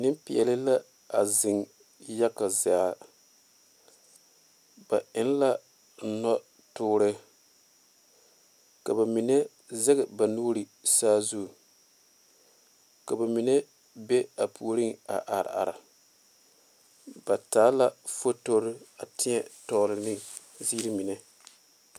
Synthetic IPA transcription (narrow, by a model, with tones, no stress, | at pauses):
nɪ˦mpɪ˨ɛ˨lɪ˦la˦ | a˨zɪ˨ŋ | ja˦ka˨za˦ | ba˨ɪ˦n˦la˦ | nɔ˦ | tʊː˦ɾɨ˦ | ka˨ba˨mi˨ne˦ | zɛ˦ɣɛ˨ba˨nuː˦ɾɨ˨ | saː˦zu˦ɡ | ka˨ba˨mi˨ne˦ | be˦a˨pʰu˨ɾɨ˦ŋa̰˨ʔa˨ɾ̰a̰˨ɾa̰˨ | b̥a˨taː˨˦la˦fo˦to˦ɾɨ˦a˨tʰɪ˦ɲɛ˨tɔ˦lɨ˨nɨ˦ | ziː˦ɾi˦mi˨nɛ˨